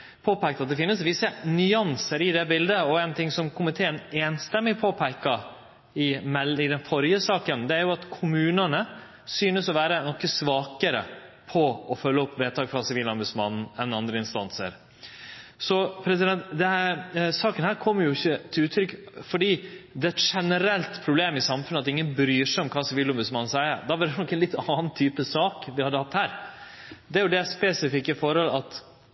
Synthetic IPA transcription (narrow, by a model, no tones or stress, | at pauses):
pʰoːpæɪk̚t̪ɑt̪̚d̪ɛfɪnːəsʋɪsənʏɑnsəɾɪd̪ɛbɪld̪əɔɛɪnt̪ʰɪŋsɔmkʰʊmɪt̪ʰeːəneːnst̪ɛmːɪpʰoːpʰæɪkːɑ | ɪmɛlɪd̪ɛnfɔɾjəsɑːkənd̪ɛæɾjʊɑt̪kʰʊmʉːnənə | syːnəsɔʋæːɾənɔkːəsʋɑːkəɾə̰pʰɔɔfœlːəɔpːʋeːt̪ʰɑːɡfɾɑsɪʋiːlɑnbʉsmɑnn̩ɛnːɑnd̪ɾəɪnst̪ɑnsə̰ɾ | sɔpʰɾɛs̬ɪd̪ɛnt̪d̪ɛhæsɑːkənhæːɾkʰɔmːəɾjʊɪçːət̪ʰɪlʉːt̪ʰːɾʏkːfɔɖiːd̪ɛæt̪ʂɛnəɾɛlt̪pʰɾʊbleːmɪsɑmfʉnəɑt̪ɪŋːənbɾyːʂɛɔmkʰɑːsɪʋiːlʊmbʉsmɑnn̩sæɪə̰d̪ɑʋɑɾɖ̪ɛnɔkːɛnlɪt̪ːɑːnt̪ʰyːpəsɑːkʋɪhɑd̪ːəhɑt̪ːhæːɾ | d̪ɛæɾjʊd̪ɛæspeːsɪfɪkːɪfɔɾhɔlɑt̪